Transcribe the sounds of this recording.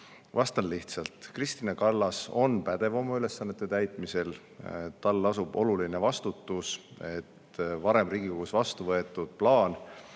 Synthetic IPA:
vɑst̪ɑnliht̪sɑlt̪ˑkrist̪inɑkɑlːɑso̞npæd̪̥e̞vo̞mɑyle̞sːɑnːe̞t̪ːˑet̪æjt̪ˑmise̞l | t̪ɑlːɑsub̥o̞luline̞vɑst̪ut̪ːˑuse̞t̪ | vɑɾe̞mriːɡ̥iko̞ɡ̥usvɑst̪uvɤe̞t̪ːˑud̪̥plɑːn

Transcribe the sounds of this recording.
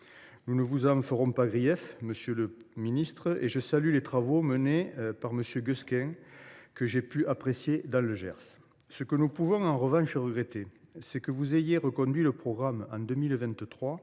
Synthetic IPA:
nunəvuzɑ̃fəʁɔ̃paɡʁijɛfməsjələminist̪χəeʒəsalylet̪χavomənepaʁməsjøɡøskɛ̃kəʒepyʔapχesjed̪ɑ̃ləʒɛ̰ʁs | səkənupuvɔ̃ɑ̃ʁəvɑ̃ʃəʁəɡʁet̪esɛkəvuzejeʁəkɔ̃d̪ɥiləpχɔɡʁamɑ̰̃d̪əmilvɛ̃nt̪t̪χwa

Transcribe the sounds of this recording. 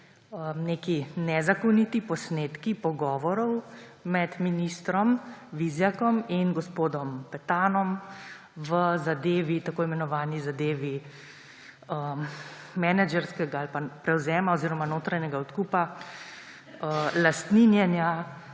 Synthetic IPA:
əneːkinɛzakɔnit̪ipɔsneːt̪kipɔɡɔːʋɔɾɔwmɛd̪minist̪ɾɔmʋizjakɔminɡɔspoːd̪ɔmpɛt̪aːnɔm | ʋəzad̪eːʋit̪akoːimɛnɔʋaːnizad̪eːʋi | ə | mɛnad͡ʒɛɾskɛɡaalpapɾɛwzɛːmaɔziːɾɔmanoːt̪ɾanɛɡaɔt̪kupa | əlast̪ninjɛnja

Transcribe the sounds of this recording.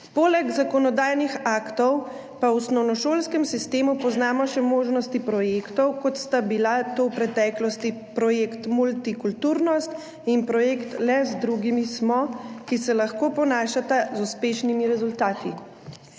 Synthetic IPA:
poːlɛɡzakɔnɔd̪aːjnixaːkt̪ɔw | pawusnɔwnɔʃoːlskɛmsist̪eːmupɔznaːmɔʃɛmoːʒnɔst̪ipɾɔjeːkt̪ɔwkɔt̪st̪abilat̪owpɾɛt̪ɛːklɔst̪ipɾɔjeːkt̪mult̪ikult̪uɾnɔst̪ | inpɾɔjeːkt̪lɛzd̪ɾuɡimismɔkisɛlaxkoːpɔnaːʃat̪azuspeːʃnimiɾɛzult̪aːt̪ḭ

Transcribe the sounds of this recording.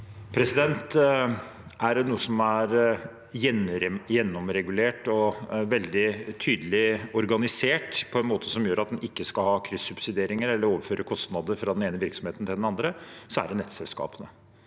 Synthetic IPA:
pʰɾɛsɪd̪ɛnt̪ | æɖɛnuːəsɔmæɾ | jɛnjɛnːɔmɾɛɡʉleːʈɔʋɛld̪ɪt̪ʰyːd̪əlɪɔɾɡɑnɪseːʈpʰɔɛnmoːt̪ʰəsɔmjøːɾɑt̪̚d̪ɛnɪkːəskɑlhɑːkʰɾʏsːʉbsɪd̪eːɾɪŋəɾɛlːəɾoːʋəɾføːɾʔəkʰɔst̪nɑd̪əɾfɾɑd̪ɛneːnəʋɪɾksɔmheːt̪n̩t̪ʰɪld̪ɛnɑnd̪ɾəsɔæ̰ɖɛnɛt̪sɛlskɑ̰ːpənə

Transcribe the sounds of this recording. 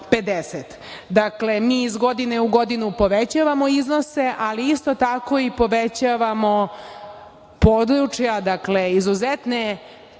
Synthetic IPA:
pe̞d̪eset̪ | d̪aklemiːzɡo̞d̪ineuɡo̞d̪inupo̞ʋet͡ɕaʋamo̞iznose̞ʔaliist̪o̞t̪ako̞ipo̞ʋet͡ɕaʋamo̞ | pod̪ɾut͡ʂjad̪akleizuzet̪ne

